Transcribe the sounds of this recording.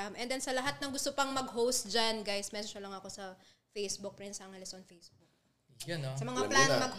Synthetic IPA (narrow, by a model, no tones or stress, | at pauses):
mʔɛnd̪ɛnsɐlɐɦat̪̚nɐŋɡʊst̪opɐŋmɐɡɦowst̪̚d͡ʒanɡajsmɛsʃɐlɐŋɐko̞sɐ | fejsbʊk̚pɹɪnt̪sɐŋɐlɛsonfejsbuk | ɐnsɐmɐŋaplanmɐɡ